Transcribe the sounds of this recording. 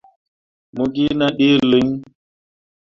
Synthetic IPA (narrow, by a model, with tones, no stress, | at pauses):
mu˦ɡi˦na˦ɗi˦li˦ŋ